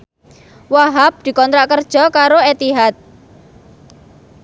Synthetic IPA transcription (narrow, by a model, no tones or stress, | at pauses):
waɦap̚d̪̥i̤kɔnt̪ɾaʔkərd̥ʒ̥ɔ̤kaɾoet̪iɦat̪̚